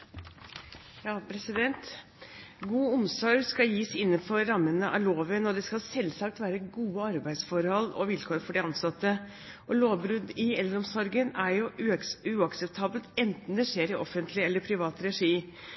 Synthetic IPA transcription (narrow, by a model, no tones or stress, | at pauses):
jɑːpʰɾɛsɪd̪ɛnt̪ | ɡuːʊmsɔɾɡskɑljiːsɪnːənfɔɾɑmːənəʔɑ̰loːʋənɔd̪ɛskɑlsɛlːsɑk̚t̪ʋæːɾəɡuːəɑɾbæɪd̪sfɔɾhɔlːɔ̰ʋɪlkʰoːɾfɔɖɪɑnsɑt̪ːə | ʔɔloːʋbɾʉd̪ɪɛlːəɾɔmsɔɾɡənæɾjʊʉʉɑksɛp̚t̪ʰɑːbəlt̪ɛnt̪n̩d̪ɛʂeːɾɪʔɔfənt̪ʰlɪɛlːəɾpʰɾɪʋɑːt̪ɾɛʂiː